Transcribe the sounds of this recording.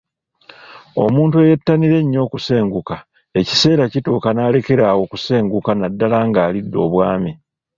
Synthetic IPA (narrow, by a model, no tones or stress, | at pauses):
o̞̰muːntue̞jetːaniɾe̞ɲːo̞ːkuse̞ːŋɡuka | e̞ci̥se̞ːɾacituːkanaːle̞ke̞ɾaːwo̞kuse̞ːŋɡukanadːalaːŋɡaːlidːo̞ːβwaːmi